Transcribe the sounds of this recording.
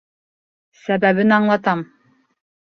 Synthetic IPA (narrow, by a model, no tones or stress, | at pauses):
sæbæβɘnɑɴlˠɑt̪ɑm